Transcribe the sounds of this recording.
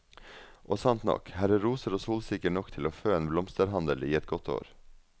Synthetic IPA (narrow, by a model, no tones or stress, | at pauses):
ʔoːsɑnt̪nɔ̰khæɾəɾuːsəɾɔsuːlsɪkəʈɳɔkt̪ʰɪloːføːeːnblɔmst̪əɾɦɑnd̪əliːɛt̪ɡɔt̪ʰo̰ːɾ